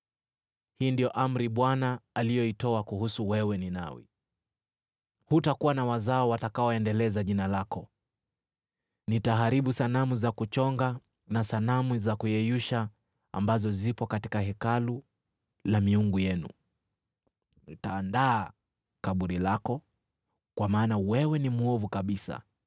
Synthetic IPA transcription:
hiːndijɔʔam̩ɾiɓwanaːlijɔitɔakuhusuwɛwɛnina̰wḭ | hutakuwanawazaɔwatakaɔɛndɛlɛzaʄinalakɔ | nitaɦaɾiɓusanamuzakut͡ʃɔŋɡa | nasanamuzakujɛjuʃa | ambazɔzipɔkati̥kaɦɛkalu | lamiuŋɡujɛnṵ | nitaːndaː | kaɓuɾilakɔ | kwamaːnawɛwɛnimuɔvukaɓisa̰

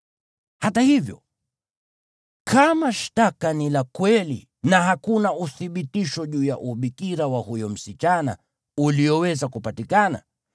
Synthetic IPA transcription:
hatahivjɔ̰ | kʰamaʃtakanilakwɛlḭ | naɦakunauθiɓitiʃɔʄuːja̰ʔuɓikiɾawahujɔm̩sit͡ʃana̰ | uliɔwɛzakupatikana̰

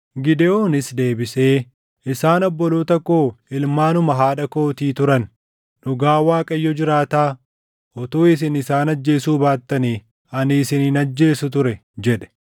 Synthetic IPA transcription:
ɡɪd̪ɛoːnɪsd̪e̞ːbɪseː | ɪsaːnɔbːɔloːt̪ɐkːo̞ːɪlmaːnʊmɐɦaːᶑɐko̞ːt̪iːt̪ʊɾɐnː | ʊɡaːwaːkʼɐjːɔd͡ʒɪɾaːt̪aː | ʔɔt̪oːɪs̬ɪnɪsaːnɐd͡ʒːe̞ːsuːbaːt̪ːɐniː | ɐnɪːsɪninɐd͡ʒːe̞ːsʊt̪ʊɾɛd͡ʒɛᶑɛ̥

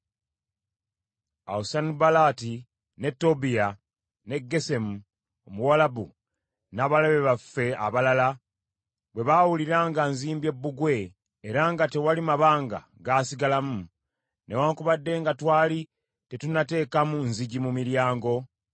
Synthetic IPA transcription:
a̰usanibalati | ne̞tːo̞bija | ne̞ɡːe̞se̞mu | omuwalabu | naːβaleβe̞βafːe̞a̰βalala | βwe̞βawuliɾaŋɡanziːmbe̞bːuɡwe̞ː | ɾaŋɡate̞walimaβaːŋɡa̰ | ɡaːsiɡalamu | ne̞waːŋkuβadːe̞ːŋɡatwaːli | te̞tunate̞ːkamunziɟimumiɾjaːŋɡo̞

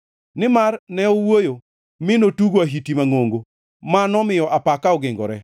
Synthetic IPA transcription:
nɪmarnɛɔwojo | mɪnotuɡoaɦitimaŋoŋɡo | manɔmɪjɔʔapakaɔɡɪŋɡɔ̰ɾɛ

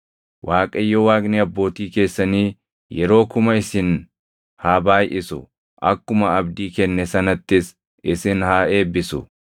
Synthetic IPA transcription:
wʔaːkʼɐjːɔwaːkʼniɐbːo̞ːt̪iːke̞ːsːɐniː | jɛɾo̞ːkʊmɐɪsɪn | haːbaːjʔɪsʊ̰ | ʔɐkːʊmɐɐbd̪iːkɛnːɛsɐnɐt̪ːɪs | ɪsɪnhaːe̞ːbːɪsʊ̰

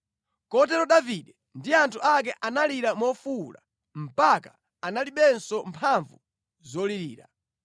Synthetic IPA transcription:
kɔt̬ɛɾɔɗaviɗɛ | ndiantʰuʔak̬ɛʔanaliɾamɔfula̰ | m̩paka | analiɓɛnsɔmpʰaɱvu | zɔliɾḭːɾa̰

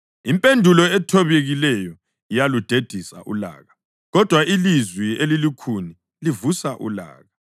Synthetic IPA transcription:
impʼendʱulɔɛtʰɔβeɣilɛjɔ | ijalud̥ʱed̥ʱisa̰ʔṵla̰ːɣa | ɣɔd̥ʱwailizwielilikʰuni | livusaʔṵla̰ːɣa

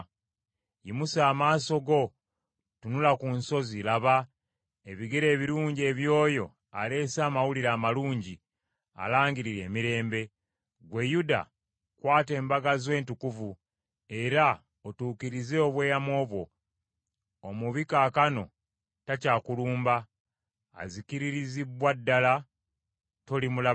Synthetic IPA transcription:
jimusaːmaːso̞ɡo̞ | tunulakunso̞zilaβa | e̞βiɡeɾe̞ːβiɾuːɲɟe̞ːβjo̞ːjo̞ | ale̞saːmawuliɾaːmaluːɲɟi | a̰laːŋɡiɾiɾe̞ːmiɾe̞ːmbe̞ | ɡwe̞juda̰ | kwaːte̞ːmbaɡazwe̞ːntukuvu | e̞ɾa | otuːkiɾize̞oβweːjamwo̞ːβwo̞ | muβikaːkano̞̰ | tacaːkuluːmba̰ː | zikiɾiɾiziβwadːala | to̞limula

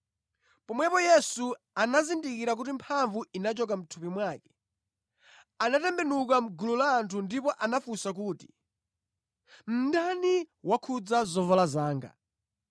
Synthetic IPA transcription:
pɔmwɛpɔjɛsu | anazindikiɾak̬utimpʰaɱvuinat͡ʃɔk̬am̩tʰupimwaːkɛ̥ | anatɛmbɛnukam̩ɡululaːntʰundipɔʔanafusak̬uːti̥ | m̩ndaniwakʰud͡zazɔvɔlazaːŋɡa̰

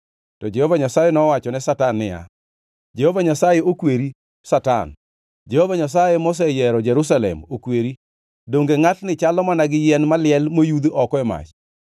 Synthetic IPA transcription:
tɔd͡ʒɛhovaɲasajɛnɔwat͡ʃɔnɛsatanːɪ̰ja̰ | d͡ʒehovaɲasajeokweɾi | sata̰n | d͡ʒehovaɲas̬ajɛmos̬ɛjɛɾɔd͡ʒɛɾus̬alɛ̰mokweɾi | doŋɡeŋatnɪt͡ʃalɔmanaɡɪjɛnmalɪɛlmojud̪ɔkɔɛma̰t͡ʃ

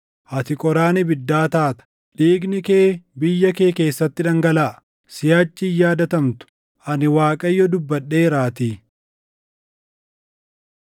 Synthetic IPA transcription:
hɐt̪ɪkʼɔɾaːnɪbɪd̪ːaːt̪aːt̪ɐ̥ | ᶑiːɡnɪke̞ːbɪjːɐke̞ːke̞ːsːɐt̪ːɪᶑɐŋɡɐlaː | sɪjaːt͡ʃːɪjaːd̪ɐt̪ɐmt̪ʊ̥ | ʔɐnɪwaːkʼɐjːɔd̪ʊbːɐɗːe̞ːɪɾaːt̪iː

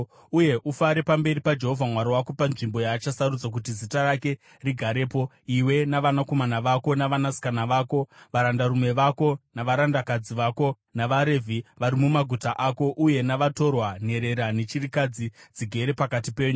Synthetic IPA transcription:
uje̞ʔufaɾe̞pambe̞ɾipad͡ʒe̞ɦo̞vʱamwaɾowako̞panʐimbo̞jaːt͡ʃasarud͡zak̬utizitarake̞ | riɡʱaɾe̞ːpo̞ | iwe̞naʋanako̞manaʋako̞naʋanasi̥kanaʋaːko̞ʋaɾandaɾume̞ʋako̞naʋaɾandakad͡ziʋako̞ | naʋaɾe̞vʱiʋaɾimumaɡʱutaʔako̞ʔuje̞naʋato̞rwane̞ɾe̞ɾane̞t͡ʃirikad͡zid͡ziɡʱe̞ɾe̞pakatipe̞ːɲu

